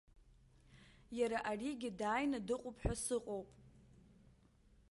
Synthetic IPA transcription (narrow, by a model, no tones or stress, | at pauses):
jaɾaʔariɡʲɪdaːjnadɨqʼʊpʰʼħʷᶣasɨqʼowpʼ